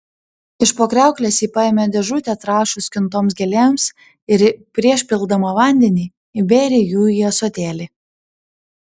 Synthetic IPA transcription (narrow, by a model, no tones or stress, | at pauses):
ɪʃpoːkɾʲæˑʊklʲɛsiːpɑeːmʲɛd̪ʲɛʒʊt̪ʲɛt̪ɾɑːʃʊsʲkʲɪnt̪oːmsɡʲɛlʲeːms | ɪɾpʲɾʲiɛʃʲpʲɪlˠd̪ɐmɑʋɑˑnʲd̪ʲɛnʲiː | ɪbʲeːɾʲejuːjɛsoːt̪ʲeːlʲi